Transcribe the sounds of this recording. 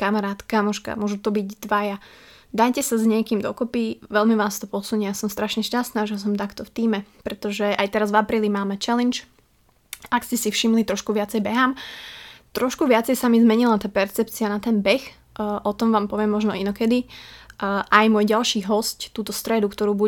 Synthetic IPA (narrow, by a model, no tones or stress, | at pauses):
kamaɾaːt̪kamɔʃka̰mʊɔʒut̪ɔbiɟd̪ʋaja | d̪ajcɛsazɲɪɛkiːmd̪ɔkɔpiʋɛlmiʋaːst̪ɔpɔsuɲijasɔmst̪ɾaʃɲɛʃcast̪naːʒɛs̬ɔmt̪akt̪ɔft̪iːmɛpɾɛt̪ɔʒɛajt̪ɛɾazvapɾiːlimaːmɛt͡ʃɛlɛnt͡ʃ | akscɛsifʃimlit̪ɾɔʃkuʋɪat͡sɛjbɛɦaːm | t̪ɾɔʃkuʋɪat͡sɛjsamizmɛɲilat̪aːpɛɾt͡sɛpt͡sianat̪ɛnbɛx | ʔɔt̪ɔmʋaːmpɔʋɪɛmːɔʒnɔinɔkɛd̪i | ʔajmwɔjɟalˠʃiːɦɔsct̪uːt̪ɔst̪ɾɛd̪ukt̪ɔɾuːbu